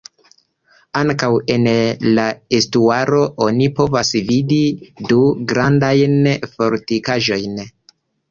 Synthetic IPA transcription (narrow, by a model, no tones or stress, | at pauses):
aŋkawe̞nlaestuaɾo̞ʔo̞nipo̞vasvididuɡɾandajnfo̞ɾtikaʒo̞jn